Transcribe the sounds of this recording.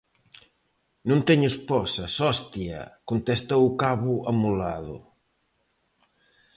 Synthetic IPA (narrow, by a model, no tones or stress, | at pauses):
nũnt̪ɛɲuspɔsɐsɔst̪iɐ̰kont̪est̪owukaβʊʔamulaðʊ̰